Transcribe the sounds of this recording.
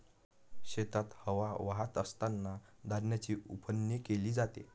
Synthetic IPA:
ɕet̪at̪həʋaʋaɦat̪əst̪anːad̪aɾnjat͡ɕiːupʰənjekeliːd͡zat̪ḛ

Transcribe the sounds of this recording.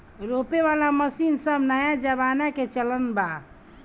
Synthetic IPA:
ɾopeβalaməsinsəbnajad͡ʒəbanaket͡ʃələnba

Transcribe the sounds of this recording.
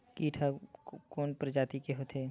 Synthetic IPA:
kiːʈʰakoːnpɾd͡ʒaːt̪ikeɦoːt̪ʰeː

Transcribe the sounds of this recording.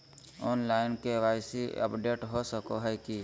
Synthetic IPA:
ɔːnlaːɪnkeʋaːɪsiə̰pɖeːʈɦosəkoɦɛki

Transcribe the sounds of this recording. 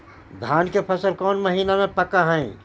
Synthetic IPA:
d̪ʱjaːnkepʰəsəlkɔːnməɦiːnamẽpəkaɦɛ̃ĩ

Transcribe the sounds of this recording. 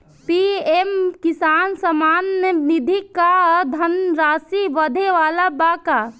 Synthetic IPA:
piemkisaːnsəmaːnəʋid̪ʱikːad̪ʱənɾaːsiʋəd̪ʱeʋaːlabaka

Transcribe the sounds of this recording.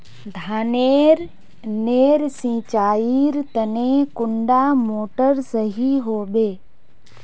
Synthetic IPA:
d̪ʱaːneːɾ | neːɾsĩːt͡ʃaːiːɾt̪ənẽkʊɳɖaːmoːʈəɾsəɦiɦoːbeː

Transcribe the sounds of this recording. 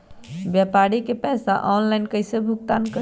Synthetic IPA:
bjapaɾikepɛsaʔɔnlajnkəjsebʱuk̚t̪ankə

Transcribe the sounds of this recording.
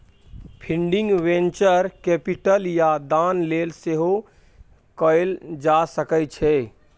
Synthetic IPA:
pʰĩɳɖĩŋɡʋẽnt͡ʃəɾkepiʈəljad̪anlelseɦo | kəjld͡ʒasəkət͡ʃʰɛ

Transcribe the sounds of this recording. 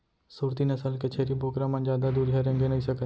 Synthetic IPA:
suːɾt̪iːnəsəlket͡ʃʰeːɾiːboːkɾãmə̃nd͡ʒjaːd̪aːd̪uːɾɦɛɾə̃ŋɡenəɦĩsəkə

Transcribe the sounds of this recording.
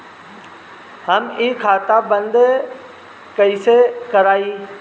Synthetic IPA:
həmiːkʰaːt̪abə̃nd̪ | kɐisekɐɾaːiː

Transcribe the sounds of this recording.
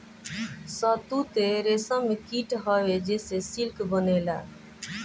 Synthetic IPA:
sət̪ut̪eɾesə̃mekiʈɦəwed͡ʒesesilkbənela̰

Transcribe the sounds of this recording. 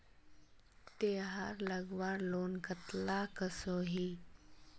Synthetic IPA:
t̪eɦaɾləɡʋaɾlonkət̪lakəsoɦi

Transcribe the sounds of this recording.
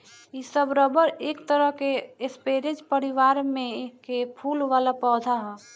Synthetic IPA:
isəbɾəbəɾeːkt̪əɾəɦkeɪspeːɾed͡ʒpəɾɪʋaːɾmẽkːepʰuːlʋaːlapɔːd̪ʱaɦɛː

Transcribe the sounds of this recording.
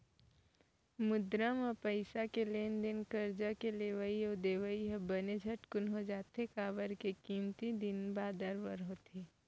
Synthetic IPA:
mʊd̪ɾamapəɪsakeleːnd̪ɪnkəɾd͡ʒakeleːʋəiod̪eːʋəiɦɐbəned͡ʒʱəʈkʊnɦod͡ʒaːt̪ekaːʋəɾkekiːmt̪id̪ɪnbaːd̪əɾʋəɾɦot̪eː

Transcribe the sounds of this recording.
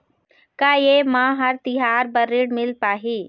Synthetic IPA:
kaːjeːmãːɦɐɾt̪ɪɦaːɾbɐɾɪɽmɪlpaːɦiː

